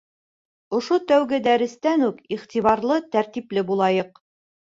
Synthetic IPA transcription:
ŏʃot̪æwɡɘd̪æɾɘ̆st̪ænʉkiχt̪iβɑɾlˠɤt̪æɾt̪iplɘbulˠɑjɤq

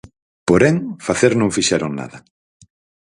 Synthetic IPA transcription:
poɾeŋfaθeɾnõŋfiʃɛɾoŋna̰ðɐ

